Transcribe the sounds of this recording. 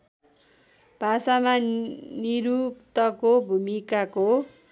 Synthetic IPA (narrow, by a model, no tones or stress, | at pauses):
b̥ʱasamaniɾupt̪ʌkobʱumikako